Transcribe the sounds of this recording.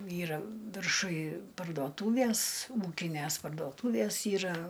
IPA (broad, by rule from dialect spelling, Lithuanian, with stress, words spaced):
ˈiːrɐ ʋʲɪrˈʃʊj pɐrdoːˈtuːʋʲiɛs ˈuːkʲɪnʲæs pɐrdoːˈtuːʋʲiɛs ˈiːrɐ